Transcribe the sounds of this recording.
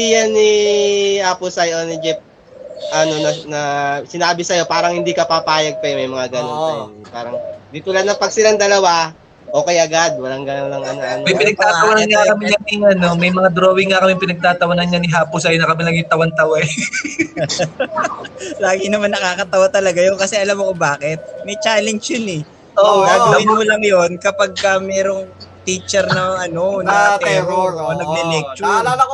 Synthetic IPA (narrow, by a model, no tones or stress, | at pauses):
ijanihaːpʊsɐjʔonɪd͡ʒɪp̚ | ʔɐno̞nɐnɐsɪnaːbɪsɐjo̞paːɾɐŋhɪnd̪ikɐpapaːjɐɡ̚pɐjʊmɐjmɐŋaɡɐnopaːɾɐŋd̪it̪ʊlad̪nɐpɐɡ̚sɪlaŋd̪ɐlɐwa | ʔo̞ːkɛjɐɡad̪̚wɐlaŋɡɐnonlɐŋɐnoʔɐnmɐjpɪnɐɡ̚t̪aːt̪ɐwɐnɐnŋakɐmɪɲɐniŋɐno̞mɐjmɐŋad̪ɾoːwɪŋːakɐmɪpɪnɐɡ̚t̪aːt̪ɐwɐnɐnɲanɪɦaːpʊsɐjonɐkɐmɪlɐɡɪt̪ɐwɐnt̪ɐwɛ | laːɡɪnɐmanːɐkaːkɐt̪ɐwat̪ɐlɐɡajonkɐsɛʔɐlamɐkobaːkɪt̪̚mɛjt͡ʃaːlɛnd͡ʒjʊnɛ | ʔoɡaːɡɐwɪnmʊlɐŋjonkɐpaɡ̚kɐmɛːɾo̞ŋt̪iːt͡ʃɛɾnɐʔɐno̞nɐt̪ɛɾoonɐɡ̚nɛlɛk̚t͡ʃʊ